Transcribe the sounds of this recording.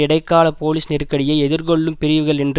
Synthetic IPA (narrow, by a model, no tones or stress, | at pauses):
ɪɽɐɪkːaːlɐpoːlɪsnɪrkːɐɽɪjɐɪɛðɪɾkɔɭːɯmpɪɾɪʋɯɣɐɭɛndr